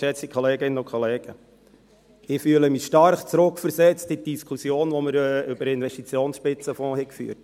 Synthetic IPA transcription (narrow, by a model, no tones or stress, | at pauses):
ɛt͡sikʰɔleːɡɪnːənʊkʰχɔleːɡ̥ə | ɪfyələmiʃtɑɾχt͡sɾʊkfəɾsɛt͡stɪt̚d̥iskʰusjoːnʋɔməɾʏbəɾɪnvɛʃtit͡sjoːnsʃpɪt͡səfɔ̃ːhɛkfy̰ːəɾt